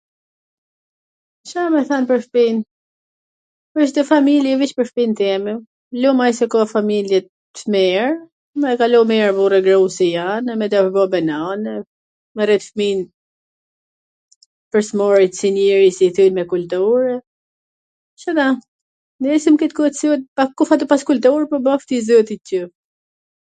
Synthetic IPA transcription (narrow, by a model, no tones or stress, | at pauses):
ʃamɛθanpəɾfpin | əʃd̪əfamiljɛviʃpəɾfpint̪ɛmɛ | lumajsɛkɔfamiljɛt̪ | mɛɹ | mɛkalɔmɛɹburɛɡɾusijanɛmɛd̪apbɔbɛnɔnɛ | mɛɾɛt̪fmin | pəɾsmɔɾit̪sinɛɾisiθylmɛkult̪uɾɛ | ʃat̪a | nɛisimkɛt̪̚kuɛt̪syt̪̚pakːufat̪ɔpaskult̪uɾpɔbɔft̪izɔt̪icə